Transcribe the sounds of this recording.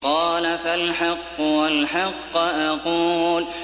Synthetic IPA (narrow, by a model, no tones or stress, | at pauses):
qɑːlafalħɑqːʊwalħɑqːʔaquːl